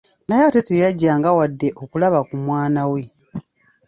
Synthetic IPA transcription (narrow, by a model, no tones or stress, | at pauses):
najatetejaɟːaːŋɡawadːe̞ʔo̞kulaβakumwaːnawe̞